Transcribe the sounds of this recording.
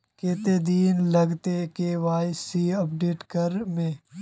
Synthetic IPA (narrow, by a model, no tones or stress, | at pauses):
keːt̪ed̪iːnlɐɡt̪ekeʋaːsiɐpɖeːʈkɐɾmẽː